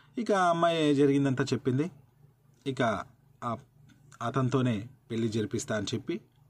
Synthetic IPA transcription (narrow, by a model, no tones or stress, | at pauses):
ikɐɐmːajed͡ʒɐɾiɡind̪ɐnt̪aːt͡ʃe̞pːind̪i | ikɐ | aː | ɐːt̪ɐnt̪o̞ːne̞ːpe̞ɭːid͡ʒɐɾipist̪aːɐnit͡ʃe̞pːi